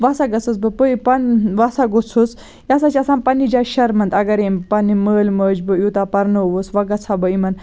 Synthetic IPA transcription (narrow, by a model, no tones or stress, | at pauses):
ʋɐsaɡɐt͡sɨs̬bɨpɨipɐnʋɐsaɡot͡sʰus | jasat͡ʃʰʲɐsaːnpɐnid͡ʒaʃɐɾmɐnd̪ɐɡɐɾeːmpɐniməːlməːd͡ʒbɨjut̪aːpɐɾnɐʋɨsʋɐɡɐt͡sʰabɨimɐn